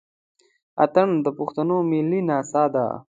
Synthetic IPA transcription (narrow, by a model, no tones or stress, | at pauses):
a̰t̪əɳd̪əpʊxt̪anomilːinɑːsɑːd̪a̰